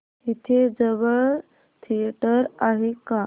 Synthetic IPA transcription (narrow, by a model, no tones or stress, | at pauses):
it̪ʰed͡zəʋəɭ | t̪ʰieʈəɾaɦeka